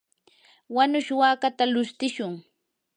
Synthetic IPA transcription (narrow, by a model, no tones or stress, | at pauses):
wanʊʃwaːkat̪alʊst̪ɪʃʊŋ